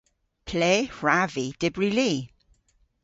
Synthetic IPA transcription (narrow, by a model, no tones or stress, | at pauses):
pʰleːɹavid̥ɪbɹiliː